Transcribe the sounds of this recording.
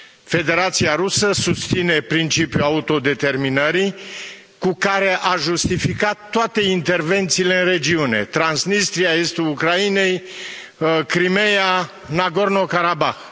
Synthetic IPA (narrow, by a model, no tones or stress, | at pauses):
fe̞d̪e̞ɾat̪siaɾusəsust̪sine̞pɾint͡ʃipjuaut̪o̞d̪e̞t̪e̞rminəɾi | kukaɾe̞ʔaʒust̪ifikat̪ːoat̪e̞int̪e̞rve̞nt̪siːle̞ɨnre̞d͡ʒiune̞̰t̪ɾansnist̪ɾiaest̪uukɾaine̞j | kɾimeja | naɡo̞rno̞kaɾabax